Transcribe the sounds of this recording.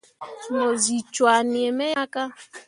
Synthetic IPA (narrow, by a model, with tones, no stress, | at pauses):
no˨zi˨t͡ʃwa˨nɪ˨e˨me˦ja˦ka˦